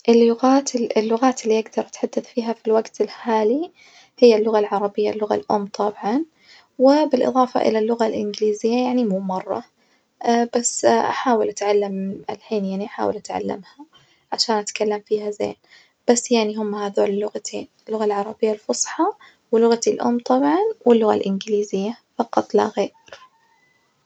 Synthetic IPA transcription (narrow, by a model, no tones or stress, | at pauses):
ʔɪlːʊɣaːt̪ɪlːʊɣaːt̪ɪlːiʔaɡd̪ɑɾˤʔat̪ħad̪ːaθfiːɦafilwaɡt̪ɪlħaːli | hɪjːalːʊɣalʕɑɾˤɑbɪjːa̰lːʊɣa̰lʔʊ̰mːt̪ˤɑbʕɑn | wɪbɪlʔɨ̰ðˤɑːfɑ̰ʔɪ̰lalːʊɣalʔɪnɡɪliːzɪjːajaʕnimuːmɑrˤːɑ̰ | b̥asːʔa̰ħaːwɪlʔat̪ʕalːamalħiːnjaʕniʔaħa̰ːwɪlʔat̪ʕa̰lːa̰mha | ʕaʃaːnʔat̪kalːamfiːhazḛːn | b̥asːjaʕniɦʊmːahaðoːlɪlːʊɣat̪ʰḛːnɪlːʊɣalʕɑɾˤɑbɪjːalfʊsˤħɑ | wɪlːʊɣat̪ilʔʊ̰mːt̪ˤɑbʕɑnwɪlːʊɣa̰lʔɪnɡliːzɪjːa | fɑqɑt̪ˤːla̰ɣeː | ɾ